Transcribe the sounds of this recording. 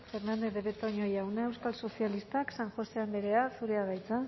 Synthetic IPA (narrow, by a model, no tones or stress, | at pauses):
fe̞ɾnand̪eðeβet̪oɲojawnaewskalso̞sialist̪aksaŋxo̞se̞and̪eɾe̞asuɾe̞aɣajt͡sa